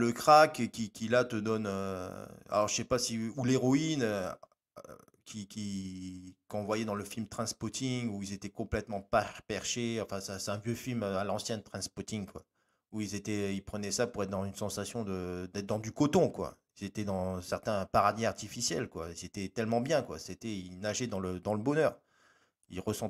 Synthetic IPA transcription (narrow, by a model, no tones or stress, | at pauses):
ləkχakkʲikʲilat̪əd̪ɔnø | a̰lɔʁʒəsɛpasiuleʁɔinø | kʲʰikʲi | kɑ̃vwajɛd̪ɑ̃ləfilmt̪χɛ̃spɔt̪ĩŋuilzet̪ɛkɔ̃plɛt̪mɑ̃papɛʁʃeɑ̃fɛ̃saset̪ɛ̃vjøfilmalɑ̃sjɛ̃nt̪χɛ̃nspɔt̪ĩŋkwa̰ | uilzet̪ɛilpχənɛsapuʁɛt̪̚d̪ɑ̃zynsɑ̃sasjɔ̃d̪əd̪ɛt̪̚d̪ɑ̃d̪ykɔt̪ɔ̃kwa̰ilzet̪ɛd̪ɑ̃sɛʁt̪ɛ̃paʁad̪iaʁt̪ifisjɛlkwa̰ilzet̪ɛt̪ɛlmɑ̃bjɛ̃kwa̰set̪ɛilnaʒɛd̪ɑ̃ləd̪ɑ̃ləbɔnœːʁ | ilʁəsɑ̃